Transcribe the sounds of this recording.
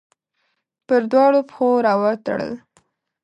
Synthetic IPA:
pəɾd̪wɑɽopxoɾɑwɑt̪ə̰ɽə̰l

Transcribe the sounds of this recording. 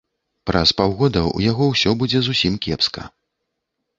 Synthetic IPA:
pɾɐspawɣɔd̪ɐṵjaɣɔwsʲɔbud͡zʲɛzusʲimkʲɛpskɐ̰

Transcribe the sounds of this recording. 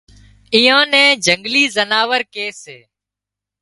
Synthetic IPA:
iːãːnɛ̃ːd͡ʒʱəŋɡliːzənaːʋəɾkeːseː

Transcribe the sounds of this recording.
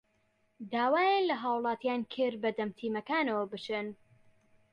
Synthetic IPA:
d̪aːwaːjanlɐɦaːwlˠɑːt̪jaːnkʰɨɾbɐd̪ɐmt̪ʰiːmɐkaːnɐwɐbɨt͡ʃɨn

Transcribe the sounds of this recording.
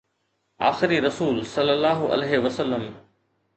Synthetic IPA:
a̰ːxɪɾiɾɐsuːlsɐlːəlːaːɦoʔɐ̰leːɦeʋɐsəlːəm

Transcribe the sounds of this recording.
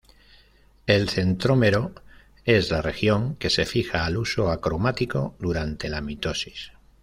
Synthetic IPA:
e̞lθe̞nt̪ɾomeɾo | e̞zlare̞xjo̞ŋke̞se̞fixaːlusoakɾomat̪iko̞ðuɾant̪e̞lamit̪osi̥s

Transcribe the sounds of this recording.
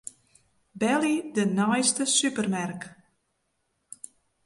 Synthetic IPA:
bɛlidənɔjstəsypərmark

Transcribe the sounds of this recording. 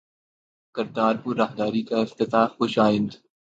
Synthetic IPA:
kɐɾt̪aːɾɦuɾaːɦd̪aːɾikaɪft̪ɪt̪aːfxʊʃaːɪ̃nd̪

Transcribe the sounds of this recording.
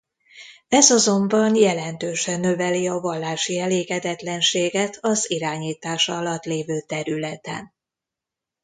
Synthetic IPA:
ɛzɒzo̞mbɒnjɛlɛnt̪øːʃɛnːøvɛliɒvɒlːaːʃiɛleːɡɛd̪ɛt̪lɛnʃeːɡɛt̪ʰɒziɾaːɲiːt̪aːʃɒɒlɒt̪leːvøːt̪ɛɾylɛt̪ɛ̰n

